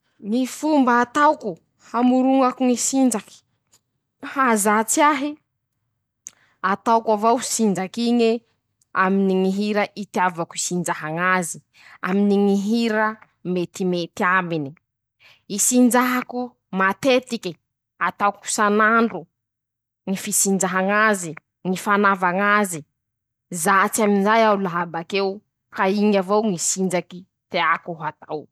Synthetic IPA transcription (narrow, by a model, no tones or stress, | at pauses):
nifumbaːt̪awku | hamuɾuŋakuŋisind͡ʒaki̥ | hazat͡siaɦi | at̪awkavawsind͡ʒakiɲi | aminiŋiɦiɾaʔit̪iavakuisind͡ʒaɦaŋazi | a̰miniŋiɦiɾa | met̪imet̪iambini | isind͡ʒaɦaku | mat̪et̪iki | at̪awku̥sanaɳɖ͡ʐu | ŋifisind͡ʒaɦaŋazi | ŋifanavaŋazi | zat͡siaminzajaulaɦabakew | kaiŋavowŋisind͡ʒaki | t̪eakuɦat̪aw